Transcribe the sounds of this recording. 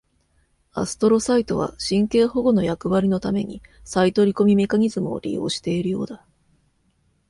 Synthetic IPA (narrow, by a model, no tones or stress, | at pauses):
a̰sɨ̥t̪o̞ɾo̞sait̪o̞β̞a̰ɕĩŋke̞ːho̞ɡo̞no̞jakɯ̟βaɾʲino̞t̪ame̞ɲ̟ḭsait̪o̞ɾʲiko̞mʲime̞kaɲ̟izɨmɯo̰ɾʲḭjo̞̰ːɕi̥t̪e̞iɾɯ̟jo̞̰ːd̪a